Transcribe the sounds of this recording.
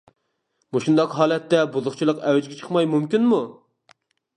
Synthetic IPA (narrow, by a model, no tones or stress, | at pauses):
muʃund̪ɑqɦɑːlˠɛt̪ːɛbuzʊχt͡ʃʰilˠəqɛwɛd͡ʒɡʲɛt͡ʃʰə̥χmɑjmumkʲinmu